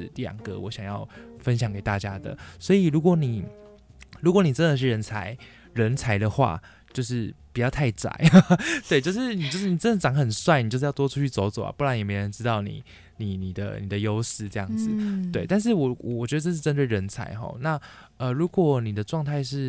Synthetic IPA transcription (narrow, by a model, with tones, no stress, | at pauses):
t̪i˥˩jɑ̰˨˩ŋkə̰˧˦wʔɔ̰˧˦ɕjɑ˨˩ŋjɑ˥˩ʊfə˦nɕjɑ˨˩˦ŋke˨˩ɪt̪a˥˨˩t͡ɕja˥d̪ə̰˨swɔ˧˥i˨˩ɻu˧˥kwɔ˧˥˦ni˨˩ | ɻu˧˥kwni˨˩ə˦nd̪ə˨˩ʂ̬̩˥˩ɻə˧˥nt͡sʰa̰˧˥ɪ | ɻə˧˥nt͡sʰa˧˥ɪd̪ə˨xwa̰˥˧˩ | t͡ɕjo˥˧ʊʂ̬ɻ̩˥˩pi˨˩t͡ɕjɑ˥˧ʊt̪ʰa˥˩ɪt͡sa̰˨˩ɪt̪we˥˧ɪt͡ɕjo˥˧ʊʂ̬ɻ̩˥˩ni˨˩t͡ɕo˥ʊʂɻ̩˥˩ni˨˩t͡sə˥nd̪ʈ͡ʂɑ˨˩˦ŋxə˨˩nswa˥˩ni˨t͡ɕo˥˧ʊʂ̩˥jʊt̪wɔ˥ʈ͡ʂʰu˥t͡ɕʰy˥˩t͡so˧˥ʊt͡so˨˩ʊa̰˨pu˥˩ɻa˧˦njme˧˥ɪɻə˧˦nʈ͡ʂɻ̩˥t̪ɑ˥˩ʊnḭ˨˩˦ | ni˨˩ni˨˩d̪ə̰˦ni˨˩d̪ə˩jo˥ʊʂɻ̩˥˩ʈ͡ʂɤ˥˧jɑ̰˥˩ŋd͡zɹ̩˨˦t̪we˥˩ɪt̪a˥˧nʂ̬ɻ̩˥˩wɔ˨˦wɔ̰˨˩wɔ˨t͡ɕɥɛ˧˥d̪ə˧ʈ͡ʂɤ˥˧ʂ̬ɻ̩˥˩ʈ͡ʂə˥nt̪we˥˩ɪɻə˧˥nt͡sʰa̰˧˥ɪxɔ̰˥˧na˥˩ | ə˨ɻu˧˥kwɔ˨˩ni˨˩d̪ə˩˦ʈ͡ʂwɑ˥˧ŋt̪ʰa˥˧ɪʂɻ̩˥˩